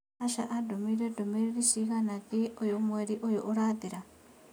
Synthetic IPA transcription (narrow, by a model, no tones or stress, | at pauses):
aʃa̰ʔadomiɾedomiɾiɾisiɣanakiojomweɾiʔojoʔuɾaðiɾa